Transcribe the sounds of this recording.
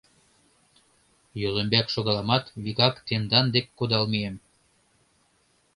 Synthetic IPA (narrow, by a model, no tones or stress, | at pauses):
jøləmbækʃoɣɑlɑmɑt̪βiɣɑkt̪end̪ɑnd̪ekːod̪ɑlmiem